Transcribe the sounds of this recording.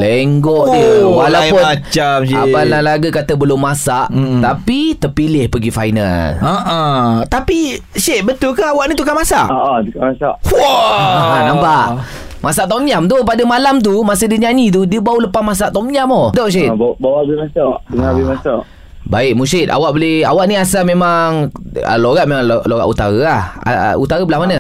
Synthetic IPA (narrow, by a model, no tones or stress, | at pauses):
leŋɡɔʔdəwalaʊnat͡ʃamsiabanlalaɡakat̪əbəlʊmːasaʔt̪apit̪əpilɪhpəɡifa̰jna̰laʔat̪apiʃeʔ̪̚bət̪ʊlkaawaʔnit̪ukanmasa̰ʔɔʔat̪ukamasaʔw | nãmpaʔ | masaʔt̪ɔmjamt̪upadamalamt̪̬umasədiəɲaɲit̪̬udiəbauləpahmas̬aʔt̪ɔmɲamodɔʔʃ̬iʔ̪bawaabimasaʔdəŋabimasaʔ | baɪʔ̚musɪt̪̚a̰waʔbolɪa̰waʔniasamemaŋə̰loɣaʔmemaŋloloɣa̰ʔut̪aɾəaha̰ut̪aɣəbəlahmanə